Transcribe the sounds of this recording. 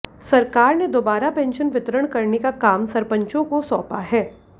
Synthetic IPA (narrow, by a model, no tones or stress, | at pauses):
sɐɾkaːɾned̪oːbaːɾapɛ̃ːnʃənʋɪt̪ɾəɽ̃kɐɾnekakaːmsɐɾpə̃ɲt͡ʃõkosɔːpaɦɛː